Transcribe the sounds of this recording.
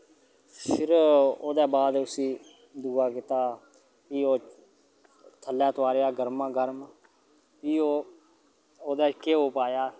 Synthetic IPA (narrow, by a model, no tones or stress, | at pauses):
sɪɾoːd̪ɛːbaːd̪ʊsĩː | d̪uːaːkɪt̪aː | piːoː | t̪ʰəlːaːt̪ʰʊaːɾejaːɡəɾmãːɡəɾm | piːoː | oːd̪ɛːkeːoːpaːjaː